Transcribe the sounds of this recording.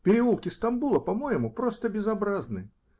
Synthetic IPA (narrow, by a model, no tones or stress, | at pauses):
pʲɪɾʲɪulˠkʲɪst̪ambulˠɐpamojɪmupɾɔst̪əbʲɪzabɾaznɨ